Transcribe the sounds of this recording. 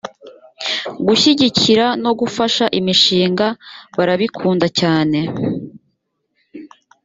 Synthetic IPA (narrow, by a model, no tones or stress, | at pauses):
ɡuçiɟiciɾano̞ɡufaʃaʔimiʃiːŋɡaβaɾaβikʰuːndacaːne̞